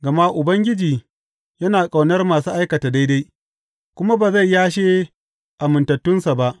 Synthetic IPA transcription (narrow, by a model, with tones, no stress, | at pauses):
ɡɐ˨ma˦ʔʊ˨bɐ˦ŋɡʲɪ˦d͡ʒiː˨ | jɐ˦naː˨kʼa˨wnɐ˦rmaː˨suː˦ʔa˦jkɐ˨taː˨da˦jda˦j | kʷʊ˦ma˦baː˨za˦˨jjaː˦ʃeː˦ | ʔa˨mʊ˨ntɐ˨tːʊ˦nsa˨ba˦ʔ